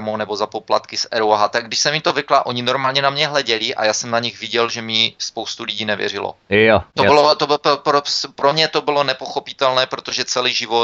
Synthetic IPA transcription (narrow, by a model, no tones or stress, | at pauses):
monɛbo̞zapo̞plat̪kɪsɛɾuwaɦat̪aɡ̚dɪʃsɛmit̪ovɪklaʔo̞ɲɪnoɾmaːlɲɛnamɲɛɦlɛɟɛlɪʔa̰jaːsɛmnaɲɪɣvɪɟɛlʒɛmɪspowst̪uliɟiːnɛvjɛ̰rɪlo̰t̪obɪlot̪obpopɾospɾomɲɛt̪o̞bɪlo̞nɛpo̞xopɪt̪ɛlnɛːpɾot̪oʒɛt͡sɛliːʒɪvo